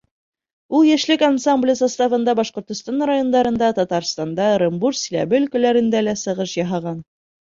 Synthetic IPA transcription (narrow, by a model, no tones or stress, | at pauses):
ulˠjæʃlɘkansamblʲəsɑst̪ɑvɤ̆nd̪ɑbɑʃqŏɾt̪ŏst̪ɑnrajo̞nd̪ɑɾɤ̆nd̪ɑt̪ɒt̪ɑɾst̪ɑnd̪ɑɾʲɤmbuɾsʲilæ̰bɘɵlkɵ̆læɾɘ̆nd̪ælæsɤ̆ʁɤʃjɑɦɑʁɑn